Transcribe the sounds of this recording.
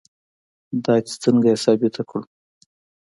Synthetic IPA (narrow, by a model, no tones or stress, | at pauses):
d̪ɑjt̪st̪əŋɡajasɑbɪt̪ʰakɽu